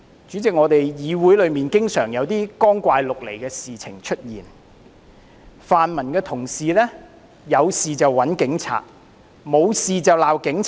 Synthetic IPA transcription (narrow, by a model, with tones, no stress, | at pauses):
t͡ʃyː˨˥t͡sɪ˨k̚ŋɔː˨˧t̪e˨jjiː˨˧wuː˨˥jlɵ˨˧miː˨nkɪ˥ŋsœː˨˩ŋjɐ˨˧wt̪iː˥kɔː˥ŋkʷaː˧jlʊ˨k̚lḛ˨˩jkɛː˧siː˨t͡sʰɪ̰˨˩ŋt͡ʃʰɵ˥t̚jḭː˨˩n | faː˨nmɐ˨˩nkɛː˧t̪ʰʊ˨˩ŋsiː˨lɛː˥ | jɐ˨˧wsiː˨t͡sɐ˨wːɐ˨˥nkɪ˨˥ŋt͡sʰa̰ː˨˩t̚ | mo˨˧wsiː˨t͡sɐ˨˩wlaː˨wkɪ˨˥ŋt͡sʰ